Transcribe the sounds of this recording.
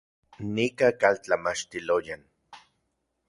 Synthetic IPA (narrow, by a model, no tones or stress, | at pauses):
nikakalt͡ɬamat͡ʃt̪ilojan